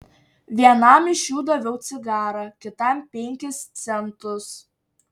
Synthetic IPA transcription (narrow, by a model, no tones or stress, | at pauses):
ʋʲiɛnɐˑmɪʃʲjuːd̪ɐʋʲɛʊt̪sʲɪɡɑːɾɐkʲɪt̪ɐmpʲɛŋʲkʲɪst̪sʲɛnt̪ʊs